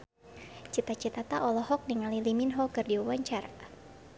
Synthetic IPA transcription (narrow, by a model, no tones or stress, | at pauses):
t͡ʃit̪at͡ʃit̪at̪aʔɔlɔɦɔk̚niŋaliliminɦɔkɨrdiawaɲt͡ʃara